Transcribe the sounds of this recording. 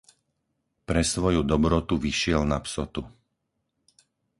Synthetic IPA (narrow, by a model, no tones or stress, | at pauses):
pɾɛsʋɔjud̪ɔbɾɔt̪uʋiʃɪɛlnapsɔt̪u